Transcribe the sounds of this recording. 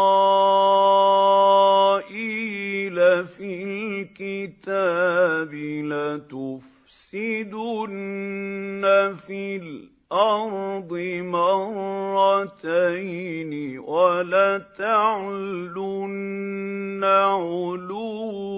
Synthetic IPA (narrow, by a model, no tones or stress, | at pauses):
ʔilafilkɪt̪aːbɪlat̪ʊf | ssɪd̪ʊnː | afil | ʔɑɾˤd̪ˤɪmɑɾˤːɑt̪ajnɪwalaːt̪aʕlʊnː | aʕʊluː